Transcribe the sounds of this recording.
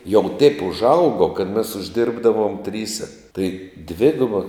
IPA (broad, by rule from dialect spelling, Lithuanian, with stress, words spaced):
jɛʊ tʲɛɪp ʊʒˈɐʊɡoː kɐt mʲɛs ʊʒʲˈdʲɪrbdɐʋoːm ˈtʲrʲiːsʲɛ tɐɪ ˈdʲʋʲɪɡʊbɐ